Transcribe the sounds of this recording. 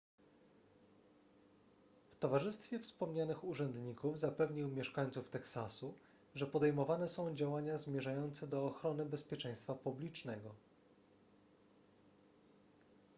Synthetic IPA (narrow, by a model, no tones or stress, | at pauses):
ft̪ɔvaʐɘst̪fʲjɛfspɔmɲanɘxuʐɛnd̪ɲikuvzapɛvɲiwmʲjɛʂkaɲʲt̪suft̪ɛksasu | ʐɛpɔd̪ɛjmɔvanɛsɔ̃w̃d͡ʑawaɲazmʲjɛʐajɔnt̪sɛd̪ɔːxɾɔnɘbɛspʲjɛt͡ʂɛ̃j̃st̪fapublʲit͡ʂnɛɡɔ